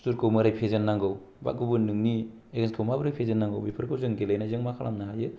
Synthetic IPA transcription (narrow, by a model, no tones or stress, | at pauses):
tuɾkʰɯwmɯɾajpʰezenːaŋɡɯw | ba̰ɡubɯnɯŋni | eɡeskʰɯwmabɯɾajpʰezenːaŋɡɯwbipʰɯɾkʰɯwzɯŋɡelajnazɯŋmakʰala̰mnaɦajɯ